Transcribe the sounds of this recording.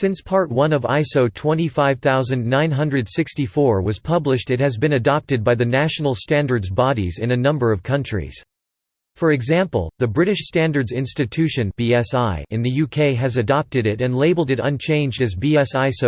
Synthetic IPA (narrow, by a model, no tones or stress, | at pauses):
sɪ̃nspʰɑɹt̚wʌ̃nʌva̰ɪsoʊtʰw̥ɛ̃ñifaɪv̥θaʊzɨ̃nnãɪ̃nɦʌ̃ndɹɨd̥sɪkstifɔɹwʌz̥pʰʌblɨʃtɨt̚hɨzbɨ̃nɨdɑp̚tɨd̚baɪðɨnæʃn̩l̩ˠstæ̃ndə˞dzbɑɾḭzɨ̃nɨnʌ̃mbə˞ʌv̥kʰʌ̃nt͡ʃɹ̥ḭz̥ | fə˞ɨɡzæ̃mpl̩ˠðɨbɹɪɾɨʃstæ̃ndə˞dzɪ̃nstɨtʰʉʃɨ̃nb̥iɛsaɪɨ̃nðɨjʉkʰeɪɨzɨdɑp̚tɨɾɪɾɨ̃nleɪbl̩ˠdɨɾʌ̰̃nt͡ʃʰẽɪ̃nd͡ʒdɨzbiɛsaɪsoʊ